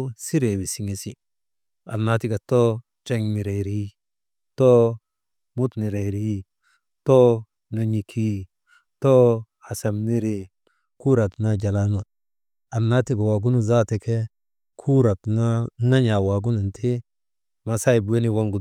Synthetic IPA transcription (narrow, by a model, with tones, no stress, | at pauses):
si˦ɾe˨bi˨si˨ŋe˨si˦ | a̰˨na˨ti˦ɡa˨to˦ | t͡ʃa˦ŋ˨mi˨ɾe˨ɾi˦ | to˦ | mu˦tni˨ɾe˨ɾi˦ | to˦ | na˨ɲi˨kʰi˦ | to˦ | a˨sa˨mni˦ɾi˦ | ku˦ɾa˨tna˦d͡ʒa˨la˦nu˨ | a˨nːa˦ti˦ɡa˨wa˨ɡu˦nu˦za˦te˨kʰe˦ | kʰu˦ɾa˨tna˦na˦ɲa˨wa˨ɡu˦nu˨ntʰi˦ | ma˨sa˦i˨bu˨we˦ni˦wa˦ŋɡu˨